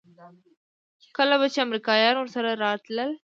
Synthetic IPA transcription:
kɐlɐbɐt͡ʃɐmɾikaːjaːɾonsɐɾɐɾaːt̪lɐl

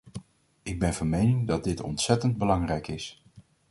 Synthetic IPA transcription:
ɪɡ̚bɛnvɑnmejnɪŋdɑd̚dɪtɔ̰ntsɛtənd̚bəlɑŋrɛjkɪs

